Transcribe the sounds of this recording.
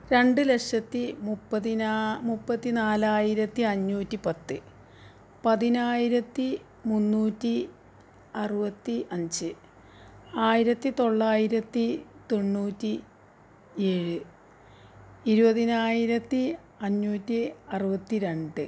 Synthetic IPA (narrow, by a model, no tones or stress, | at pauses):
ɾe̞ɳɖɨlekʂɐt̪ːimupːɐðinamupːɐt̪ːinaːlaːjiɾɐt̪ːiɐɲːuːtːipɐt̪ːɨ | pɐðinaːjiɾɐt̪ːi | munːuːtːi | ɐrubɐt̪ːiʔɐɲd͡ʑɨ | aːjiɾɐt̪ːit̪o̞ɭːaːjiɾɐt̪ːit̪o̞ɳːuːtːi | e̞ːɻɨ | iɾubɐðinaːjiɾɐt̪ːi | ɐɲːuːtːiɐrɨbɐt̪ːiɾe̞ɳɖɨ